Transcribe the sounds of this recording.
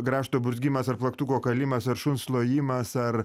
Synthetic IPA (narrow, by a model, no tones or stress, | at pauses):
ɡɾɑːʃt̪oːbʊzʲɡʲimɐsɐɾrplˠɐkt̪uːkoːkɐlʲimɐsɐɾʃʊnslˠoːjiːmɐsɐɾ